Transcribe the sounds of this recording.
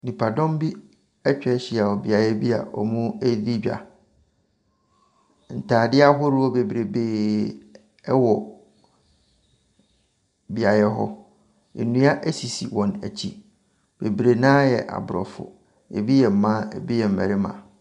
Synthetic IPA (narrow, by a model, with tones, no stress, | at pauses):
nĩ˨pʰa˨dɔ̃˦mbi˦ | ɛ˦t͡ɕᶣɛ˦ɕɪ˨a˨wɔ˨bi˨a˨jɛ˦bi˦a̰˨ɔ̰˨mũ˦e˦di˦d͡ʑᶣa̰˨ | n̩˨tʰaː˨dɪ˦a˦ɦʊ˦ɾɪ˦wɔ˦be˨bɾe˨beː˦ | ɛ˦wɔ˨ | bi˨a˨jɛ˦ɦɔ̰˦ | ḛ˨nũ˦a˦ʔæ˦si˨si˨wɔ̃˨næ̰˨t͡ɕʰi˦ | b̥e˨bɾe˨nãː˦jɛ̰˨ʔa̰˨bʊ˨ɾɔ̰˨fʊ̰˨ | ḛ˨bi˦jɛ˨m̩˨mã˦ḛ˨bi˦jɛ˨m̩˨mɛ̰˨ɾɪ˦mã̰˨